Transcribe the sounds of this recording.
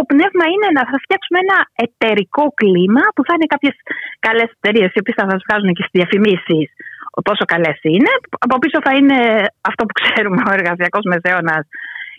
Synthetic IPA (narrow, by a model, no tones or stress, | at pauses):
t̪o̞pne̞vmɐine̞nɐθɐft̪çɐksumeenɐe̞t̪e̞ɾiko̞klimɐpuθɐine̞kɐpçe̞skɐle̞se̞̥t̪eɾie̞sio̞piesθɐsɐzvɣɐzunecest̪izðiɐfimisist̪o̞so̞kɐle̞sine̞ɐpo̞piso̞θɐine̞ɐft̪o̞pu̥kseɾumeo̞e̞ɾɣɐsiɐko̞zme̞se̞onɐs